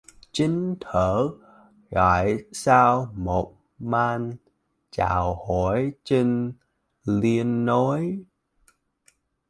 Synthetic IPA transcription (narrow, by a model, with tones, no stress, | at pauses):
t͡ɕï˨˦ŋ̟t̪ʰəː˧˩ | ɣa̰ː˧˩˨jsaː˧wmo˨˩t̚ | maː˧n | t͡ɕa̰ː˧˨˩who˧˩jt͡ɕi˧ŋ | li˧ənːo˨˦j